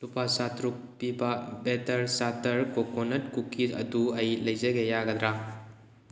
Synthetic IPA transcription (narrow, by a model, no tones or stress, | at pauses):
lupasatɾuk̚pibɐbetɐɾsatɐɾkokonɐtkukʰːiɐ̰duɐjlɐjzɐɡejaɡɐd̪ɾa